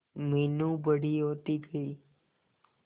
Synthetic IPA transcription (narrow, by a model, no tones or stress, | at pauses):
minũbəɽiot̪iɡəi